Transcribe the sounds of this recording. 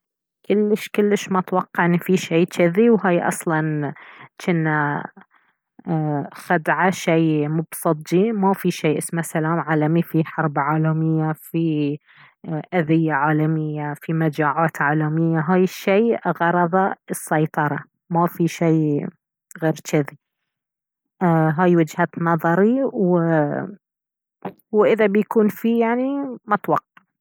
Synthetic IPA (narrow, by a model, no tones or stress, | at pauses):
kɪlːɪʃkɪlːɪʃmat̪wɑqːɑʕɪnːifiʃeːt͡ʃaðiwɦaːjʔɑ̰sˤlɑnt͡ʃɪnːa | xad̪ʕaʃejmʊbsˤɨt̪̚ˤd͡ʒimafiʃeːʔɪsmasalaːmʕaːlamifiħɑɾˤbʕaːlamɪjːafi | ʔaðɪjːaʕaːlamɪjːafimad͡ʒaːʕaːt̪ʕaːlamɪjːaɦaːjɪʃːeːɣɑɾˤɑðˤɑɨsːajt̪ˤɑɾˤɑ | mafiʃej | ɣeːɾt͡ʃaði | ɦaːjwɪd͡ʒhaːt̪nɑðˤɑɾiw | wʔɪðabjkuːnfijaʕnimɑt̪wɑqːɑ